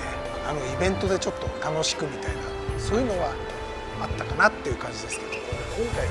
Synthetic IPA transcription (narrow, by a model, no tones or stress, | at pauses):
e | ano̞ibẽ̞nt̪o̞d̪e̞t͡ɕo̞t̪ːo̞t̪ano̞ɕi̥kɯ̟mʲit̪aina̰ | so̞ːjɯ̟no̞βa | at̪ːakanat̪ːe̞jɯ̟kãɲ̟d͡ʑid̪e̞sɨ̥ked̪okõŋkai